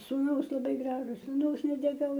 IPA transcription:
suːˈnɐʊs lˠɐˈbɐɪ ˈɡrɑːʒʊs sʊˈnɐʊs nʲɛtʲɛˈkɐʊ

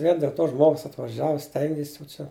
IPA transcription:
ʋʲiɛn dʲeːlˠ ˈtoː ˈʒmoːɡʊs ɐtʋɐˈʒʲæːʋʊ ˈsʲtʲɛŋʲɡʲɪs jɛʊ ˈt͡ʃʲɛ

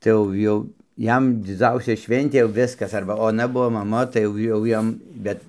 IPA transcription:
tɐɪ ˈjɛʊ ˈjɛʊ ˈjɛm dʲɪˈd͡zɐʊsʲɛ ˈʃʲʋʲɛnʲtʲeː jɛʊ ˈʋʲɪskɐs ˈɐrbɐ oːˈnɐ ˈbuɔ mɐˈmɐ tɐɪ ˈjɛʊ jɛʊ ˈjɛm ˈbʲɛt

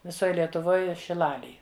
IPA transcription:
ʋʲɪˈsoːj lʲiɛtʊˈʋoːj ʃʲɪˈlˠɑːlʲeːj

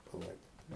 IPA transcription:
pɐˈlˠɐɪdoːtʲɪ

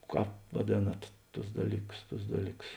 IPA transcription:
ˈkɑːp ʋɐˈdʲeːnɐt ˈtʊs ˈdɑːlʲiːˌkʊs ˈtʊs ˈdɑːlʲiːˌkʊs

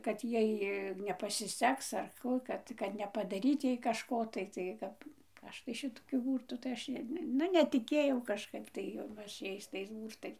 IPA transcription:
ˈkɐt ˈjɛɪ nʲɛpɐsʲɪˈsʲɛks ɐr ˈkuː ˈkɐt kɐt nʲɛpɐdɐˈrʲiːt ˈjɛɪ kɐʃˈkoː tɐɪ ˈtɐɪ ˈkɐp ˈɐʃ tɐɪ ˈʃʲɪtoːkʲʊ ˈbuːrtuː tɐɪ ˈɐʃ ˈnʊ nʲɛtʲɪˈkʲeːjɛʊ kɐʃˈkɐɪp tɐɪ jɛʊ ˈɐʃ ˈjɛɪs tɐɪs ˈbuːrtɐɪs

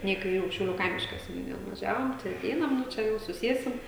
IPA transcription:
ˈnʲɛ ɪ kɐɪˈrʲuː ʃʲɛʊˈlʲuː ˈkɐɪmʲɪʃkɐ sʲɛnʲʊˈnʲɪjɛ nʊʋɐˈʒʲæːʋoːm tɐɪ ɐˈtʲɛɪnɐm nʊ ˈt͡ʃʲɛ jɛʊ sʊˈsʲiɛsʲɪm

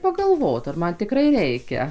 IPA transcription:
pɐɡɐlˠˈʋoːt ɐr ˈmɐn tʲɪˈkrɐɪ ˈrʲɛɪkʲɛ

